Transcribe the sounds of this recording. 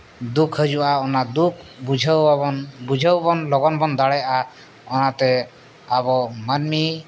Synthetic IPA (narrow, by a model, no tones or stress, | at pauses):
d̪ukʰhəd͡ʒuaɔnad̪uk̚ʰbud͡ʒʱawbabɔnbud͡ʒʱawbɔnlɔɡɔnbɔnd̪aɽɛa | ɔnat̪ɛ | abɔmanmi